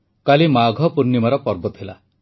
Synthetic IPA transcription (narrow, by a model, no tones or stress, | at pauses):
kalimaɡʱɔpuɾnimaɾɔpɔɾbɔt̪ʰila̰